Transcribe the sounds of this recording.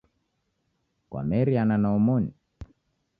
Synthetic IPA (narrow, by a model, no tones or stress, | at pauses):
kwa̰mɛɾiananaɔmɔɲi